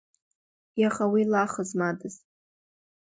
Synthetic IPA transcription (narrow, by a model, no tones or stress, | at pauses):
jaχawilaχəzmadɨz